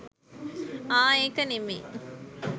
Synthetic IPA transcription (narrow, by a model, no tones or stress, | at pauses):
aːeːkɐnimḭː